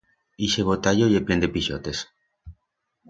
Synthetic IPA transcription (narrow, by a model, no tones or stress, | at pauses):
iʃeβot̪aʎojeplend̪epiʃot̪es